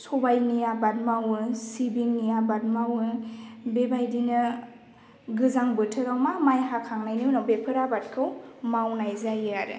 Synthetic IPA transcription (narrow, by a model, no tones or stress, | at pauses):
sɔbajnijabat̚mawɯsibiŋnijabat̚mawɯbebajdinɯ | ɡɯzaŋbɯtʰɯɾawmamajɦakʰaŋnajninabepʰɯɾabat̚kʰɯwmawnajzajaɾɯ̰